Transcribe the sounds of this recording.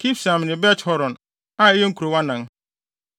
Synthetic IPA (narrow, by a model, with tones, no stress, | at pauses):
kʰi˦fsã˨m˨nɪ̃˨bɛ˦thɔ˦ɾɔ̃˨n | a˦e˦je˦ŋ̩˦kʰu˨ɾo˨wã˦nã˨ŋ